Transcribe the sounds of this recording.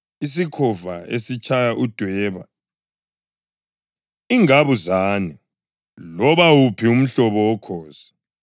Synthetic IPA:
is̬ikʰɔvaḛsit͡ʃʰʼajaʔud̥ʱwɛːβa̰ | iŋaβuzaːni | lɔβawupʰium̩ɬɔβɔwɔkʰɔːz̥ḁ

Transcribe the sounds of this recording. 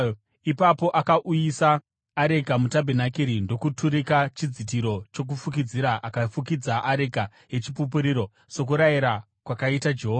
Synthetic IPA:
ipapo̞ʔakaʔujisaː | ɾekamutabʱenakiɾindo̞kutuɾikat͡ʃid͡zitiɾo̞t͡ʃo̞k̬ufuk̬id͡ziɾaʔakafukid͡zaʔaɾeka | ɦe̞t͡ʃipup̬uɾiːɾo̞ | so̞k̬uɾajiɾa | kwakaitad͡ʒe̞ɦoːa

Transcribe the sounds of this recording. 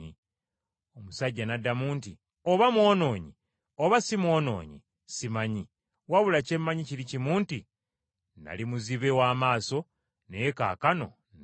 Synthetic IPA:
i | omusaɟːanadamuːnti | o̞βamwo̞ːno̞ːɲi | o̞βasimwo̞ːno̞̰ːɲḭ | simaɲi | waβulace̞mːaɲicilicimuːnti | na̰limuziβewaːmaːso̞ | neka̰ːkano̞̰ | n

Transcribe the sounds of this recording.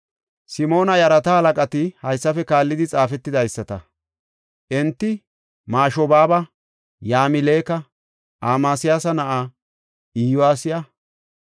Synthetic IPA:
sɪmo̞ːnɐjɐɾɐt̪ɐhɐlɐkʼɐt̪ɪhɐjsːɐfɛkaːlːɪd̪ɪt͡sʼaːfɛt̪ːɪd̪ɐjsːɐt̪ɐ | ʔɛnt̪ːɪ | maːʃɔbaːbɐ | jaːmɪleːkɐ | ʔaːmaːsɪjaːsɐnɐʔa | iːjʊwaːsɪjɐ

